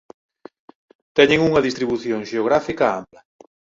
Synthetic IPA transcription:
t̪ɛɲeŋuŋɐðist̪ɾiβuθjoŋʃeoɣ̞ɾafikɐa̰mplɐ

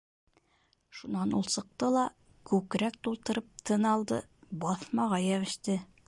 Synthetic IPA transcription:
ʃunɑnulˠsɤ̆q̚t̪ɤlˠɑ | kʉkɾæk̚t̪ulˠt̪ɤ̆ɾɤp̚t̪ʰɤ̆nɑlˠd̪ɤbɑθmɑʁɑjæβɘ̆ʃt̪ɘ

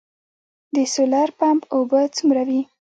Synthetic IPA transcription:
d̪əsolaɾpampobət͡sumɾawi

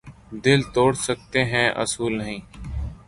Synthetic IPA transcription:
d̪ɪlt̪oːɽsək̚t̪eɦɛ̃ːʔə̰suːlnəɦĩː

